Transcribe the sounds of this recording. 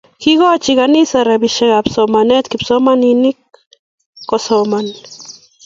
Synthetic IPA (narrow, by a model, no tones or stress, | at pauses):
kiɣɔt͡ʃiɣanisaɾabiʃɛɣapsɔmanɛt̪kipsɔmaninik̚ː | osɔman